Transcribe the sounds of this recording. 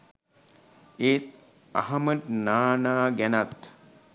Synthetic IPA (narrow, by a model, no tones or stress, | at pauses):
eːt̪̚ | a̰ɦɐməʈnaːnaːɡænat̪